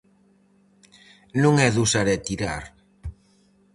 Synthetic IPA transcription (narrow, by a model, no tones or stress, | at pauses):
nũŋɛðusaɾet̪iɾa̰ɾ